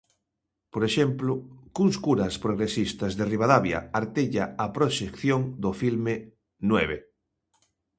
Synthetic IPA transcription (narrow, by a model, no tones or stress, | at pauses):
poɾeʃemplokuŋskuɾaspɾoɣ̞ɾesist̪azðeriβ̞aðaβja̰aɾt̪eʎaapɾoʃekθjoŋd̪ofilme | nweβe